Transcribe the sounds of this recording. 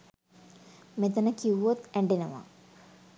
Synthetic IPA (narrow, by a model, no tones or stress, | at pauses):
met̪ənəkiʋot̪æɳɖinəʋa̰